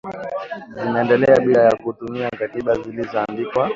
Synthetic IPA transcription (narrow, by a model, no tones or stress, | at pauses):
zimaɛndɛlɛaɓilajakutumiakatiɓazilizaːndikwa